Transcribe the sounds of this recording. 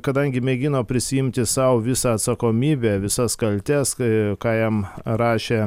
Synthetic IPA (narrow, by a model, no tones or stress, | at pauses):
kɐd̪ɐŋʲɡʲɪmʲɛɡʲɪnoːpʲɾʲɪsʲɪjɪmʲt̪ʲɪsɐʊʋʲɪsɑːɐt̪sɐkoːmʲiːbʲeːʋʲɪsɐskɐlʲt̪ʲɛskɑːjɛmɾɑːʃʲeː